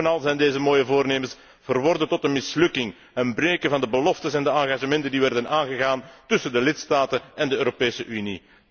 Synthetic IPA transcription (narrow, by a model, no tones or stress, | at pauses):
ənɑlˠzɛjndeːzəmoːjəvoːrneːmərs | v̥ərʋɔrdətɔtənmɪslɵkɪŋ | ənbreːkəvɑndəbəlɔftəsɛndəɑŋɣaːʒəmɛntəndiʋɛrdənaːnɣəɣaːntʏsəndəlɪtstaːtənɛndəøːɾopeːsəʔynḭ